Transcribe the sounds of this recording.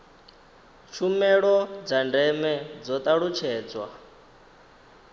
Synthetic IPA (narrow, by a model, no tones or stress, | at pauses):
t͡ʃʰumɛɺɔd͡zandɛmɛd͡zɔt̪ʼaɺut͡ʃʰɛːd͡zwa